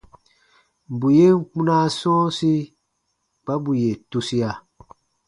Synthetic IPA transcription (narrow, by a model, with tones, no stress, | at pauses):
m̩˨bu˨je˦ŋ̩˦˨k͡pu˦na˦sɔ̃ː˦si˦ | k͡pa˦bu˨je˨tu˦si˦a˨